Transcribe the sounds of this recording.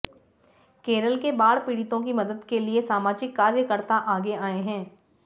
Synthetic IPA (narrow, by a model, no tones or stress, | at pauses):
keːɾəlkebaːɽpiːɽɪt̪õkimɐd̪əd̪keliesaːmaːd͡ʒɪkːaːɾjəkəɾt̪aʔaːɡeaːeɦɛ̃ː